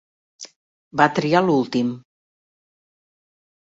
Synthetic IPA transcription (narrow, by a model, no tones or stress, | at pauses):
bat̪ɾialulˠt̪im